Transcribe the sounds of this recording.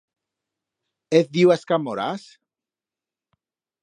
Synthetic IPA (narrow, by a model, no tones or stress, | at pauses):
eθðiwaskamoɾas